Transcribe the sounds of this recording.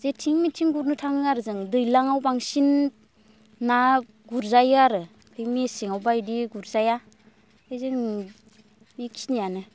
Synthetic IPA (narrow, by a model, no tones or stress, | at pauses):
zetʰiŋmitʰiŋɡuɾnɯtʰaŋɯaɾɯzɯŋdɯjlaŋawbaŋsin | a | ɡuɾzajaɾɯ | pʰemiesiŋawbajdiɡuɾzaja | ɯze | miksinijanɯ